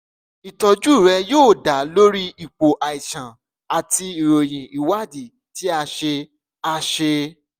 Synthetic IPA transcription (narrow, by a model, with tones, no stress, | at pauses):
i˨tɔ˧d͡ʒu˦˨ɾɛ˧joː˦˨da˨˦lo˦ɾi˦i˨k͡po˨ʔa˨i˨ʃã˨ | a˨ti˧i˨ɾo˨j̃ĩ˨i˨wa˦˨di˨ | ti˨˦a˧ʃe˧ | a˧ʃe˧